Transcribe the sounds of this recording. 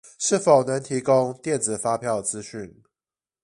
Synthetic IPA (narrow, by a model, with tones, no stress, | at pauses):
ʂɻ̩˥˩fo˨˩ʊnə˧˦ŋt̪ʰi˨˥kʊ˦ŋt̪jɛ˥˨nt͡sɹ̩˨˩fa˦˥pʰjɑ˥˨ʊt͡sɹ̩˦ɕy˥˨n